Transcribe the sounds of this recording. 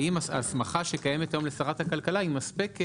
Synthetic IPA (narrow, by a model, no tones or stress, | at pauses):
imaa̰smaχaʃekaje̞met̪ajo̞mlesaʁathakalkalaimaspik